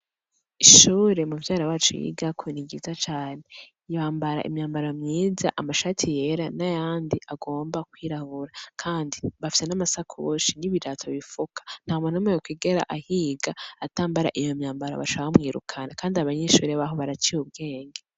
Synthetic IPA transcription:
iʃuːɾe̞muvjaːɾawaːt͡ʃṵjḭɡakʰuniɡizat͡ʃaːne̞ | jaːmbaɾa̰ʔḭmɲaːmbaɾomɲiːza̰ʔamaʃaːtʰije̞ɾanajaːndiʔaɡo̞ːmbakwiːɾahuɾakʰaːndiβafi̥se̞namasakʰuoʃiniβiɾatʰoβifukʰḁn̥haːumonomŋejokwiːɡeɾa̰ʔahiːɡaataːmbaɾa̰ʔijomɲaːmbaɾa̰βa̰t͡ʃaahumŋiːɾṵkʰanakaːndiaβaɲeʃuːɾeβaɦoβaɾat͡ʃiuβ̚ɡe̞ːŋɡe

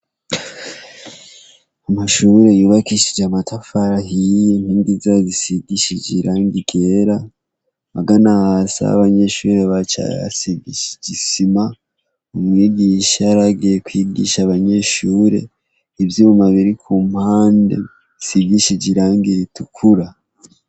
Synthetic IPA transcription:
amaʃuɾe̞juːβakiʃid͡ʒeamatʰafaɾaɦijen̥hiːŋɡizazisiɡiʃid͡ʒiɾaːŋɡiɡe̞ɾa | maɡanahasa̰a̰βaɲe̞ʃuːɾe̞βat͡ʃa̰ja̰siɡiʃid͡ʒisima | umwiːɡiʃaaɾaɡijekwiːɡḭʃaβaɲe̞ʃuːɾe̞̰ | ivjuːumaβiɾikʰuːm̥haːndḛ | isiɡiʃid͡ʒiɾaːŋɡiɾitʰukʰuɾa

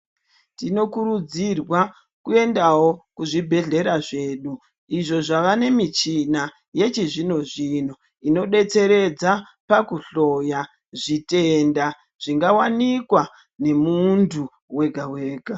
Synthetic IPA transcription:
tino̞kuɾud͡zirwa | kue̞ndawo̞kuʐibʱe̞ɮe̞ɾaʐe̞ːɗu | iʐo̞ʐaʋane̞mit͡ʃina | je̞t͡ʃiʐino̞ʐino̞ | ino̞ɗe̞t͡se̞ɾe̞d͡za | pakuɬo̞ja | ʐitenda | ʐ̥iŋɡawanikwa | ne̞mundʰʱu | we̞ɡʱawe̞ːɡʱa

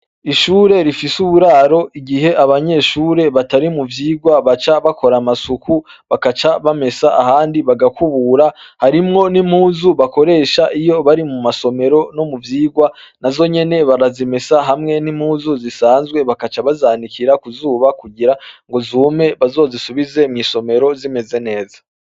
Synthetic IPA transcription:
iʃuːɾe̞ɾifisuβuɾaɾo̞iɡihe̞ʔaβaɲe̞ʃuːɾe̞βataɾimuvjiːɡwaβat͡ʃaβakʰo̞ɾamasukʰuβakat͡ʃaβame̞saʔahaːndiβaɡakuβuɾahaɾimŋo̞nimhuːzuβako̞ɾe̞ːʃaʔijo̞βaɾimumaso̞me̞ɾo̞no̞muvjiːɡwanazo̞ɲe̞ne̞βaɾazime̞saɦamŋe̞nim̥huːzuzisaːnzɡwe̞βakat͡ʃaβazanikʰiɾakuzuːβakuɟiɾaŋɡo̞zuːme̞βazo̞ːzisuβize̞mŋiːso̞me̞ɾo̞zime̞ze̞ne̞ːzḁ

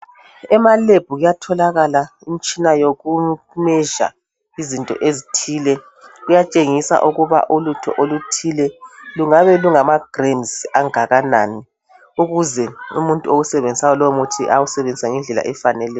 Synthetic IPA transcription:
ɛmaleb̥ʱuɣujatʰɔlaɣala | imit͡ʃʼinajoɣu | mɛʒa̰ | izintʼɔ̰ʔezitʰiːlɛ | ɣujat͡ʃʼeŋisa̰ʔuɣuβa̰ʔulutʰɔ̰ʔolutʰilɛluŋaβɛluŋamaɡ̥renzaŋaɣana̰ːni | uɣuzɛṵmuntʼuoɣusɛβend͡zʱisajɔlowmuutʰiʔawusɛβend͡zʱisaŋɛnd͡ɮʱɛla̰ʔɛfanɛlɛːj

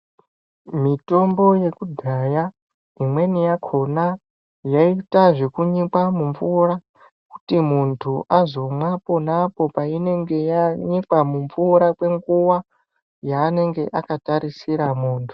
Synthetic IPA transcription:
mito̞mbo̞je̞kudʱaja | imwe̞nijakʰo̞na | jaitaʐe̞kuɲikwamuɱvura | ku̥timuntʰuʔazo̞mwapo̞napo̞paine̞ŋɡe̞jaɲikwamuɱvuɾakwe̞ŋɡuwa | jaːne̞ŋɡe̞ʔakataɾisiɾamuːntʰu̥

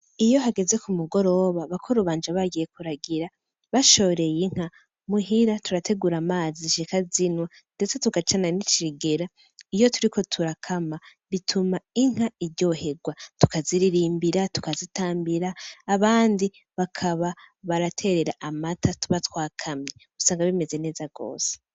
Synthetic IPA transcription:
ijo̞ɦaɡe̞ze̞kumuɡo̞ɾo̞βaβakʰoɾuβaːnd͡ʒaβaɡije̞kuɾaɡiɾa | βaʃo̞ɾe̞jeŋ̥ha | muɦiɾatuɾatʰe̞ɡuɾamaːziʃikazinwa | nde̞t͡se̞tukat͡ʃananit͡ʃiɡe̞ɾa | ijo̞tuɾikʰo̞tʰuɾakʰamaβitʰumaiŋ̥aiɾɟo̞he̞ɡwatu̥kaziɾiɾiːmbiɾatu̥kazitaːmbiɾaːβaːndi | βakʰaβaβaɾatʰe̞ɾe̞ɾaʔamatʰatuβatwaːkʰamɲe | usaːŋɡaβime̞ze̞ne̞ːzaɡ̥o̞̰ːse̥

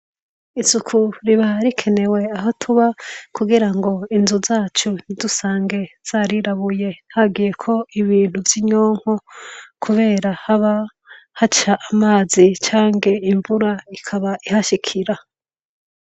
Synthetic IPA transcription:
isukʰuɾiβaaɾikʰe̞ne̞we̞aɦotʰuβakuɡiɾaŋɡo̞inzuzaːt͡ʃunidusaːŋɡe̞z̥aɾiɾaβuje̞haɡije̞kʰo̞iβiːn̥huvjiɲoːŋ̥hokʰuβe̞ːɾahaβa | hat͡ʃaʔːmaːzit͡ʃaːŋɡe̞iɱvuɾaikʰaβaʔihaʃikʰiɾa

